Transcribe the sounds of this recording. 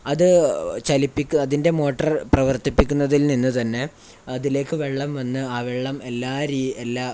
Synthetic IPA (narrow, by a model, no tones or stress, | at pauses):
ɐðɨt͡ɕɐlipːikʲːuɐðinde̞mo̞ːʈːɐrprɐʋɐrt̪ipːikʲːunːɐðilninːɨt̪ɐnːe̞ | ɐðile̞ːkːɨʋe̞ɭːɐmʋɐnːɨaːʋeɭːɐme̞lːaːɾielːa